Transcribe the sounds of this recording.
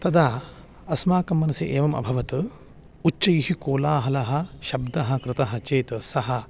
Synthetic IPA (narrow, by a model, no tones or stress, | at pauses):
t̪ɐd̪aː | ɐsmaːkɐmːɐnɐsiʔeːʋɐmɐ̰bʱɐʋɐt̪ɨ | ut͡ʃt͡ʃɐjiɦikoːlaːɦɐlɐɦɐ̆ʃɐbd̪ɐɦɐ̆kɾɪt̪ɐɦɐt͡ʃeːt̪sɐɦɐ